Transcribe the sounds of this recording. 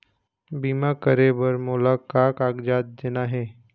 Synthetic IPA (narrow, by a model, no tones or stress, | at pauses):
biːmakəɾebəɾmʊlaːkaːkaːɡd͡ʒaːt̪̚d̪eːnaɦɛː